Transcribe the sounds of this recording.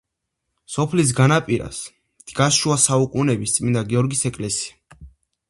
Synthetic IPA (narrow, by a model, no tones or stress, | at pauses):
sɔpʰlis̬ɡanapʼiɾa̰s | d̪̥ɡaʃuasaukʼunɛbist̪sʼmind̪aɡiɔɾɡisɛkʼlɛsia